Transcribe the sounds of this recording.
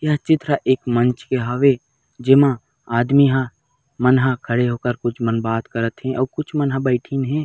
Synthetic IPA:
jat͡ʃɪt̪ɾaʔeːkmə̃nt͡ʃkeɦaʋe | d͡ʒɪmã | aːd̪miɦã | mənɦãkʰəɽeɦoːkəɾkʊt͡ʃʰmənbaːt̪kəɾət̪ɦɛ̃ʔɔːɾkʊt͡ʃʰmənɦãbəɪʈʰinɦɛ̃ː

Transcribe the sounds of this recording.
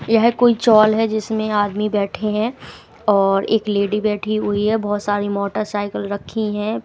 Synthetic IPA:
jɐɦkoːit͡ʃɔːlɦɛd͡ʒɪsmẽaːd̪mibɛːʈʰeɦɛ̃ | ɔːɾeːkleːɖibɛːʈʰiɦʊiɦɛbɔːt̪saːɾimɔːʈəɾsaːɪkəlɾɐkʰːiɦɛ̃ː

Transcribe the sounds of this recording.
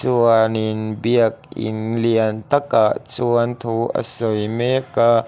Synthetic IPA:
suənɪnbiək̚ʔɪ̰nliənt̪ɐk̚ʔaʔt͡suənt̪ʰuʔə̰sojmɛka

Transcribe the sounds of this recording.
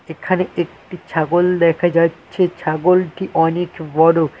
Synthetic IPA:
ekʰaneʔekʈit͡ɕʰaɡold̪ɛkʰad͡ʑaːɕʰet͡ɕʰaɡolʈiʔɔnekbɔɽo

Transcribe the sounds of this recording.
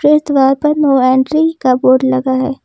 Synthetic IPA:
ɾeːt̪ʋaːɾpɐɾnoːɛ̃ːɳʈɾikaboːɖlɐɡaɦɛː

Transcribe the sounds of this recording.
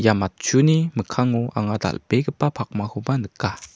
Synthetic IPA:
jamat̚t͡ʃuniməkʰaŋuʔa̰ŋad̪a̰lbeɡəpapʰak̚mahumanəkːa

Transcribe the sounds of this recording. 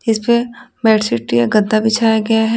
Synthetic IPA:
ɪspemɛːʈsɪʈːijaɡɐ̃nd̪d̪abʱɪt͡ʃʰaːjaɡɐjaɦɛ

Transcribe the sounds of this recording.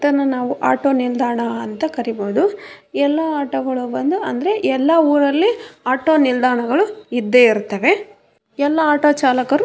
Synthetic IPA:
t̪ɐnːɐnaːʋuʔa̰ːʈoːnild̪aːɳɐɐnt̪ɐkɐɾiboːd̪u | ɛlːɐaːʈoɡɐɭubɐnd̪uɐ̰nd̪ɐɾe̞ʔɛlːɐuːɾɐlːiaːʈo̞ːnild̪aːɳɐɡɐɭuid̪ːeiɾut̪ːɐʋe̞ | ɛlːɐaːʈoːt͡ʃaːlɐkɐɾu

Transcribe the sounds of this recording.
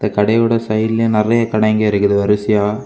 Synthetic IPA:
nɐkɐɽɐjɯɽɐsɐjɪlenɪrɐjɐkɐɽɐŋɡɐɪɾɯkːɯðɯʋɐɾɯsɪjaː

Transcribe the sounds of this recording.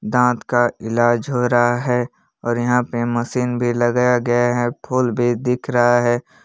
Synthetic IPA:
d̪ãːt̪kaɪlaːd͡ʒɦoːɾaɦaɦɛː | ɔːɾjɐɦãpemɐsiːnbʱilɐɡjaɡɐjaɦɛːpʰʊːlbʱid̪ɪkʰɾɐɦaɦɛː

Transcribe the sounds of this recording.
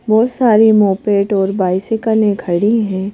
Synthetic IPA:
bɔːt̪saːɾimoːpeːʈɔːɾbaːɪsɪkəlẽkʰɐɽiɦɛ̃ː

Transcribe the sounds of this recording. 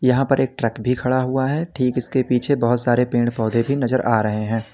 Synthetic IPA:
jɐɦãpɐɾʔeːk̚ʈɾɛkbʱikʰɐɽaɦuaɦɛːʈʰiːkɪskepiːt͡ʃʰebɐɦʊt̪saːɾepẽːɳɖpɔːd̪ʱebʱinɐzəɾʔaːɾɐɦeɦɛ̃ː

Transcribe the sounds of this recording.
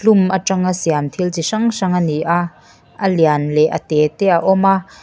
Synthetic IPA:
lumaʈ͡ʂɐŋasiant̪ʰilt͡siʂɐŋʂɐŋaniʔa | ʔɐlianlɛʔɐ̰t̪ɛt̪ɛːaʔɔma

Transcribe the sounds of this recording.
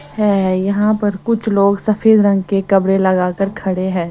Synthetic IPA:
ɦɛjɐɦãpɐɾkʊt͡ʃʰloːɡsɐfʰeːd̪ɾɐ̃ŋɡkekɐbɽelɐɡaːkəɾkʰɐɽeɦɛ̃ː

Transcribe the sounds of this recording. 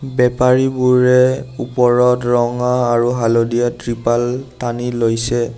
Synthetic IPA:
bɛpaɹibuɹɛupɔɹɔtɹɔŋaːɹuɦalodijatɹipaltanilojsɛ

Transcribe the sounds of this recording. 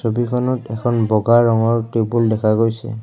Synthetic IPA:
sobikʰɔnɔtɛkʰɔnbɔɡaɹɔŋɔɹtebuldɛkʰaɡojsɛ̰

